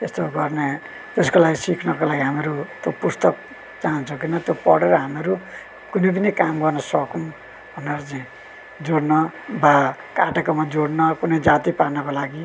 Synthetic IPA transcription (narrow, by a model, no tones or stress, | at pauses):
est̪oɡʌrne | t̪eskolaɡisikʰnʌkolaɡiɦameɾut̪jopust̪ʌk̚ | t͡saɦʌnt͡sʰũkinʌt̪jopʌ̰ɽeɾʌɦameɾu | kunep̬ʌnekamɡʌrnʌsʌkum | bʱʌneɾʌt͡saĩ | d͡zoɽnʌbakaʈakomad͡zoɽnʌkunʌjd͡zat̪iparnʌkolaɡi